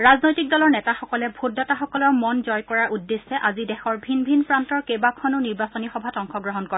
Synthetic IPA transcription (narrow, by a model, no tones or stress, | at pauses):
ɹaznojtik̚dɔlɔɹnɛtaxɔkɔlɛbʱodataxɔkɔlɔɹmɔnzɔjkɔɹaʔudːesɛʔazidɛxɔɹbʱinbʱinpɹantɔɹkejbakʰɔnʊniɹbasɔnixɔbʱatɔŋxɔɡɹɔɦɔnkɔɹɛ